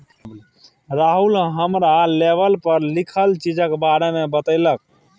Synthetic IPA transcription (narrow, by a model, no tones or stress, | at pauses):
ɾaɦulɦəmɾaleβəlpəɾlikʰəlt͡ʃid͡ʒəkbaɾemebət̪əɪlək̚